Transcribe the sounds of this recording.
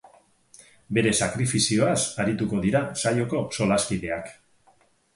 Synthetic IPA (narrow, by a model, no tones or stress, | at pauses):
be̞ɾe̞sakɾifisio̞asaɾit̪uko̞ðiɾasaʎo̞ko̞so̞laskiðe̞ak